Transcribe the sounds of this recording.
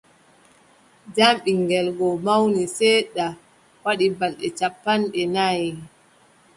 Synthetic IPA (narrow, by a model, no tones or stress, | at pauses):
d͡ʒamɓiŋɡɛlɡɔmawnisɛɗa | waɗibalɗɛt͡ʃapːanɗɛnaj